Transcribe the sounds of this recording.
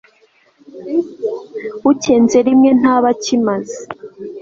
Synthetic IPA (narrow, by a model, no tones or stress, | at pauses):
uceːnze̞ɾimŋe̞n̥aːβacimaze